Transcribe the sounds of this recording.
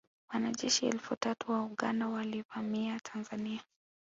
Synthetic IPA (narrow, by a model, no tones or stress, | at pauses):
wanaʄɛʃiɛ̰lfutatuwauɠandawalivamiatʰanzania